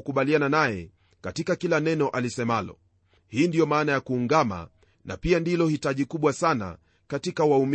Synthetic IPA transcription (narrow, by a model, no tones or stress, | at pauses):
ukuɓaliananajɛ̰ | katikakilanɛnɔʔalisɛmalɔ̰ | hiːndijɔmaːnajakuːŋɡama̰ | na̰piandilɔhitaʄikuɓwasana̰ | katikawaum